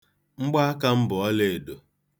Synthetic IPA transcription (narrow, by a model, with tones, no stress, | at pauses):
ŋ͡m̩˦ɡ͡ba˦a˦ka˦m̩˦bʊ˨ɔ˦le˨do˨